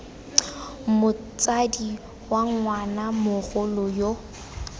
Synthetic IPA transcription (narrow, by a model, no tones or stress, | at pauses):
mʊt͡sʼadi | waŋŋwanamʊɣʊlɔjo